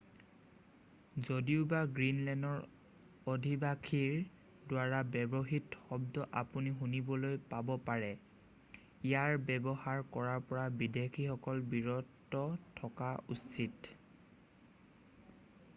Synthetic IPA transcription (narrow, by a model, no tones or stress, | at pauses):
zodiʊbaɡɹinlɛndɔɹ | odʱibakʰiɹ | dwaɹabɛbɔɦitxɔbdɔʔapuniɦunibɔlojpabɔpaɹɛ | ijaɹbɛbɔxaɹkɔɹaɹpɔɹabidekʰixɔkɔlbiɹɔtːɔtʰːɔkaussit